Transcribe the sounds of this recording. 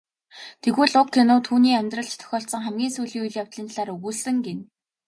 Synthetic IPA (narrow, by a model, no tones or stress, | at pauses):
t̪ʰeɣɘ̆ɮʊkʰːenʊːt̪ʰuːniːæmʲt̪rə̆ɬt͡ɕt̪ʰœ̥xʲɔːɬsɞ̆ŋχæmɡʲiːnsujɮiːujɮjaw̥t̪ɮiːnɮaːɾɵɣuːɮsɘ̆ŋɡen